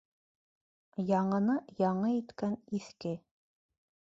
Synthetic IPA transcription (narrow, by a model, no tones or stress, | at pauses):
jɑɴɤ̆nɤjɑɴɤit̪kæniθkɘ